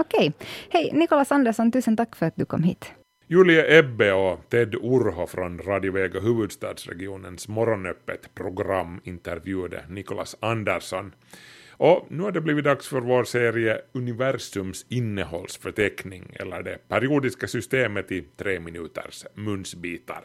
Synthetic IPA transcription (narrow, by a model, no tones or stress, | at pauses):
ɔkʰɛjhɛjnɪkʊlɑsɑnd̪əʂɔnt̪ʉːsənt̪ʰɑkːfœɾat̪̚d̪ɵkʰɔ̰mːhḭːt̪ | jʉːlɪəʔɛbːeɔt̪ʰɛd̪ʊɾɦɔfɾɔnɾɑːd̪ɪʊveːɡəɦʉːvɵd̪st̪ɑːd̪sɾɛ̰ɡɪuːnənsmɔɾɔnœpːə̰t̪pʰɾʊɡɾamːɪnt̪əɾvjʉ̟ːad̪ə̰nɪkʊlɑ̰sɑnd̪æɾʂɔn | ʔɔnʉ̟ːhæɖɛbliːvɪt̪̚d̪ɑksfœɾvoːɾseːɾɪəɵnɪvæɾsɵmsɪnːəhɔlːsfœʈʰɛknɪŋɛ̰lːə̰ɖɛpʰæɾɪuːd̪ɪskasʏst̪eːmət̪ɪt̪ʰɾeːmɪnʉːt̪ʰə̰ɾʂmɵnsbiːt̪ɑ̰ɾ